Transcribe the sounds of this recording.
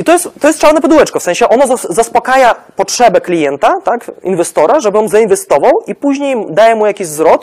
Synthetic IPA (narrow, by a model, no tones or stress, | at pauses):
it̪ɔjɛst̪tːɔjɛst̪t͡ʂaɾnɛpɔd̪uwɛt͡ʂkɔfsɛ̃ɲ̃ɕɛʔɔnɔzazaspɔkajapɔtʂɛbɛklʲijɛnt̪at̪akḭnvɛst̪ɔɾaʐɛbɘɔmzainvɛst̪ɔvawipuʑɲejd̪ajɛmujakʲiʑvzɾɔt̪